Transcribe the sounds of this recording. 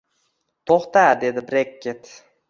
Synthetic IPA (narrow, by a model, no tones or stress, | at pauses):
t̪ʰoχt̪ad̪e̞d̪ɪbɾekʲːet̪